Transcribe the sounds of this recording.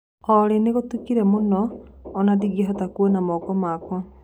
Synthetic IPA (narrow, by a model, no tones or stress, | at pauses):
ɔɾeneɣotukiɾɛmonɔːnadiɡieɦɔtakuɔnamɔkɔmaːkwɔ